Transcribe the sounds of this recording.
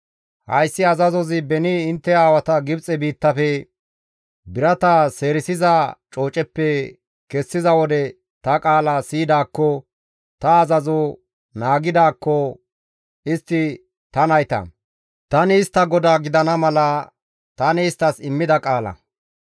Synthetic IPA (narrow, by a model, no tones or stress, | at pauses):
hɐ̰jsːɪɐzɐzɔzɪbɛnɪɪnt̪ːɛaːwɐt̪ɐɡɪbt͡sʼɛbiːt̪ːɐfɛ | bɪɾɐt̪ɐse̞ːɾɪsɪzɐt͡ʃʼo̞ːt͡ʃʼɛpːɛ | kɛsːɪzɐwɔd̪ɛ | t̪ɐkʼaːlɐsiːd̪aːkːɔ | t̪ɐːzɐzɔ | naːɡɪd̪aːkːɔ | ɪst̪ːɪ | t̪ɐnɐjt̪ɐ̰ | t̪ɐnɪːst̪ːɐɡɔd̪aːɡɪd̪ɐnɐmɐlɐ | t̪ɐnɪːst̪ːɐsɪmːɪd̪ɐkʼaːlɐ̰